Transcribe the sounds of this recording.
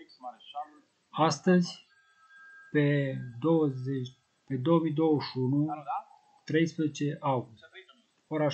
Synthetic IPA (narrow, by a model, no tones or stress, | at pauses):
ast̪əzʲ | ped̪owəze | pe̞d̪o̞womijd̪o̞wəʃunu | t̪ɾe̞jspɾezet͡ʃe̞ʔawɡust̪ | oɾa